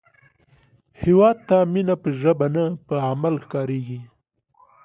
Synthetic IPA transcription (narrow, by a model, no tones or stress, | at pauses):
hɪwɑd̪̚t̪aminapəʒəbanapəamalxkɑɾeɡi